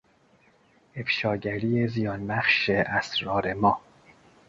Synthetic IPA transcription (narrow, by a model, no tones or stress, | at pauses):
e̞fʃɒːɟæɾiːezijɒːnbæχʃeʔæsɾɒːɾe̞mɒː